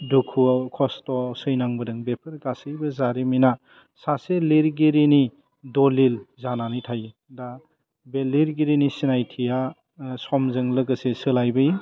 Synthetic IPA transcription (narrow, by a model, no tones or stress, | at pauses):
dukʰukʰɔstɔsɯjnaŋbɯdɯŋbepʰɯɾɡasɯjbɯzaɾimina | saseliɾɡiɾini | dɔlilzananitʰaj | da | beliɾɡiɾinisinajtʰija | sɔmzɯŋlɯɡɐsesɯlajbɯj